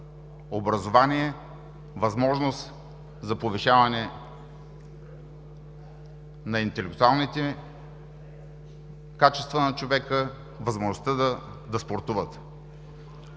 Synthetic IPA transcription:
obɾɐzovaniɛ | vɐzmɔʒnost̪ | zɐpoviʃavɐnɛ | nɐint̪ɛlɛkt̪ualˠnit̪ɛ | kat͡ʃɛ̥st̪vənɐt͡ʃovɛkə | vɐzmoʒnost̪əd̪ | d̪ɐspoɾt̪uvət̪

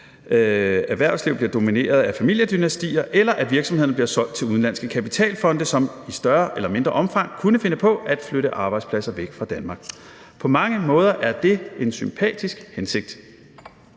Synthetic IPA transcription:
æʋæɐ̰sliʊb̥liɐd̥o̝mine̝̰ːɐð̞ˠæfæmil̰jəd̥ynæsd̥ḭːɐʔelɐʔæʋiɐ̥sɒ̽mhe̝ð̰ˠn̩b̥liɐsɒ̽l̰d̥̚t͡sʰe̝luðˠn̩lænsɡ̥əkʰæpit͡sʰɛ̰ːlfɒ̽nd̥əsɒ̽misd̥ɶɐʔelɐme̝nd̥ʁɐʔɒ̽mfɑ̈ŋ̰kʰunəfe̝nəpʰɒ̽æd̥fløɾəʔɑ̈ːb̥ɑ̈ɪd̥spʰlæsɐʋeɡ̥fʁɑ̈d̥ænmɑ̈ɡ̥ | pʰɒ̽mɑ̈ŋəmɔ̽ːð̞ˠɐʔæɐd̥e̝e̝nsympʰɛ̰ːd̥isɡ̥hense̝ɡ̥̚d̥

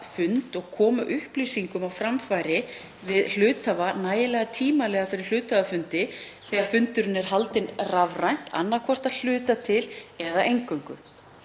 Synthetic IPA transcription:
fʏnt̪ɔɣkʰɔːmaʔʏhpliːsiŋkʏmawfɾamfaːjɾɪ | vɪðl̥ʏːt̪avanaːjɪlɛːɣat̪ʰiːmalɛːɣafɪɾɪɾ̥l̥ʏːt̪avafʏnt̪ɪθɛːɣaɾ̥fʏnt̪ʏɾʏnɛɾ̥ɦalt̪ɪnravrajn̥t̪a̰nːaɾkʰvɔr̥t̪aðl̥ʏːt̪at̪ʰɪlɛðaejŋkœŋkʏ̰

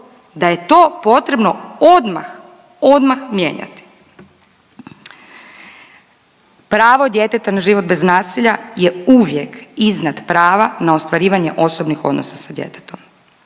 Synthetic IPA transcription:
d̪aje̞t̪o̞ːpo̞t̪ɾe̞bno̞od̪ma̰x | o̞d̪maxmjḛːɲa̰t̪i̥ | pɾaːʋo̞d̪je̞t̪e̞t̪anaʒiːʋo̞t̪̚be̞znaːsiʎajeuʋje̞kiznad̪pɾaːʋanao̞st̪ʋaɾiːʋaɲe̞̰ʔo̞sobnixo̞d̪no̞sasad̪je̞̰t̪e̥t̪o̞m

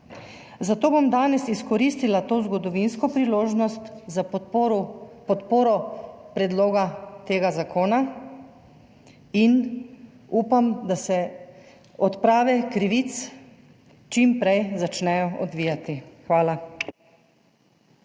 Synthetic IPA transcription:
zat̪oːbomd̪aːnɛsiskɔɾist̪ilat̪oːzɡɔd̪ɔʋinskɔpɾiloːʒnɔst̪za | pɔt̪poːɾɔpɾɛd̪loːɡat̪eːɡazakoːna | in | uːpamd̪asɛ | ɔt̪pɾaːʋɛkɾiʋit̪s | t͡ʃimpɾɛjzat͡ʃnɛjɔɔ̰d̪ʋiːjat̪ixʋaːla

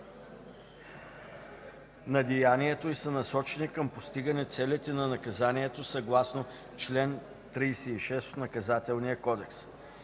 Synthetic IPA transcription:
nɐd̪ijaniɛt̪oisənɐsɔt͡ʃɛnikəmpost̪iɡənɛt̪sɛlit̪ɛnɐnɐkɐzaniɛt̪osɐɡlˠasno | t͡ʃlɛn | t̪ɾijsɛiʃɛst̪nɐkɐzat̪ɛlˠnijəkɔd̪ɛks

